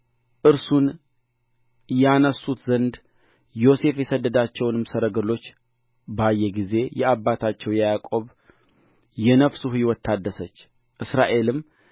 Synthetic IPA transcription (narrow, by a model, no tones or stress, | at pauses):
ʔɨɾsun | janəsːut̪zənd̪ | jo̞se̞fjɛsəd̪ːəd̪at͡ʃːɛwnɨmsəɾəɡəlo̞t͡ʃː | bajːɛɡize̞jɛabːat̪ʰat͡ʃːɛwjɛjakʼo̞β | jɛnəfsuhiwɔt̪ʰːad̪ːəsət͡ʃː | ʔɨsɾaʔe̞lɨmː